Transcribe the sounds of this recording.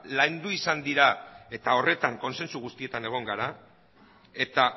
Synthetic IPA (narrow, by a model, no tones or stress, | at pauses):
lajnd̪uisand̪iɾae̞t̪ao̞re̞t̪aŋko̞nse̞nsuɣ̞ust̪ie̞t̪ane̞ɣ̞o̞ŋɡaɾa | e̞t̪a